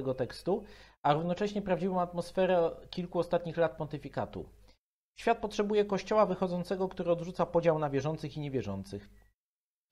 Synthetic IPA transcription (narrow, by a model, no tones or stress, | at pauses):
ɛɡɔt̪ɛkst̪uaɾuvnɔt͡ʂɛɕɲɛpɾavd͡ʑivɔ̃w̃at̪mɔsfɛɾɛkʲilkuɔst̪at̪ɲixlat̪̚pɔnt̪ɘfʲikat̪ṵ | ɕfʲjat̪̚pɔtʂɛbujɛkɔɕt͡ɕɔwavɘxɔd̪zɔnt̪sɛɡɔkt̪uɾɘɔd̪ʐut̪sapɔd͡ʑawnavʲjɛʐɔnt̪sɘxiɲɛvʲjɛʐɔnt̪sɘx